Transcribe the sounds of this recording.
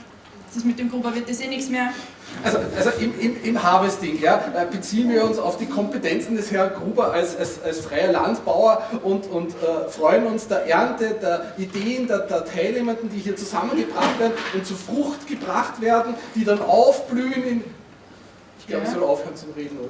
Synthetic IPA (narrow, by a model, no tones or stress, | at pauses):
sɪsmɪt̚demɡʁuːbɐvɪɐt̚dɛsenɪçsmeːɐ | ʔalzoʔalzoʔɪmɪmɪmhaːbəsd̥ɪŋjaːb̥ət͡siːənviːɐʊnsaʊfd̥iːkʰɔmpətʰɛnt͡sn̩dɛshɛɐnɡʁuːbɐʔalsalsalsfʁ̥aɪɐla̰ntb̥aʊɐʔʊntʊntɛːfʁ̥ɔʏənʊnsd̥eɐʔɛɐntədeːɐʔideːəndɛɐdeːɐtʰaɪlneːməɐndn̩d̥iːhiːɐt͡suzamənɡəbʁaχtveːɐdn̩ʊnt̚t͡suːɐfʁʊxtɡ̥əbʁaχtv̥eːɐdn̩d̥iːdanʔaʊfb̥lyːənɪn | ɪçɡ̥laʊbəçsɔlʊfhøːɐnt͡sʊmʁeːdn̩oː